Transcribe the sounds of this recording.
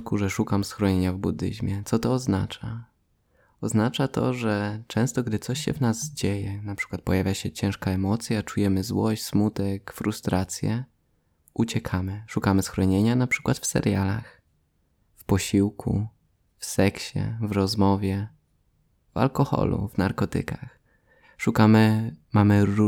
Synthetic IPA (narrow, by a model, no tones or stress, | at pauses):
kuʐɛʂukamsxɾɔɲeɲavbud̪ɘ̰ʑmʲjɛt̪sɔt̪ɔːzna̰t͡ʂa | ɔznat͡ʂat̪ɔ̰ʐɛt͡ʂɛ̃w̃st̪ɔɡd̪ɘt̪sɔɕɕɛ̰vnazd͡ʑejɛnapʂɘ̥kwat̪̚pɔjavʲjaɕɛt͡ɕɛ̃w̃ʂkaɛmɔt̪sʲjat͡ʂujɛmɘzwɔɕt͡ɕʲsmut̪ɛkfɾust̪ɾʔat̪sʲjɛ | ut͡ɕɛkʰamɘʂukamɘsxɾɔɲeɲanapʂɘ̥kwat̪fsɛ̰ɾjalax | fpɔɕiwkʰṵ | fsɛkɕɛ̰vɾɔzmɔvʲjɛ | va̰lkɔxɔ̰lṵvnaɾkɔt̪ɘ̰kax | ʂukamɘmamɘu